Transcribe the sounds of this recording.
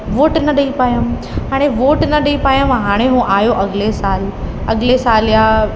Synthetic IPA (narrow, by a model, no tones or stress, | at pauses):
ʋoːʈnɐɗɐipaːjəm | ɦaːɽ̃eʋoːʈnɐɗɐipaːjə̃mɦaːɽ̃ẽɦũʔaːjoʔɐɠlesaːlɐɠlesaːljaː